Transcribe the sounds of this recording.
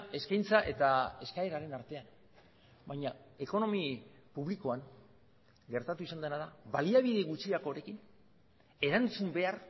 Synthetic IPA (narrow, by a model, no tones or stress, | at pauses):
e̞skajnt͡saʔe̞t̪ae̞skaeɾaɾe̞naɾt̪e̞an | bajɲae̞ko̞no̞mipuβ̞liko̞aŋ | ɡe̞ɾt̪at̪uisand̪e̞naðaβaliaβ̞iðeɣut͡siakoːɾe̞kin | e̞ɾant͡sumbe̞ar